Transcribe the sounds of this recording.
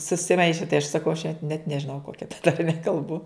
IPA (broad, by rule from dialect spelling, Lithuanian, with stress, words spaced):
sʊsʲɪˈmɐɪʃʲɛ tɐɪ ɐʃ sɐˈkɐʊ ɐʃ nʲɛt nʲɛʒʲɪˈnɐʊ ˈkoːkʲɛ tɐrʲˈmʲɛ kɐlˠˈbʊ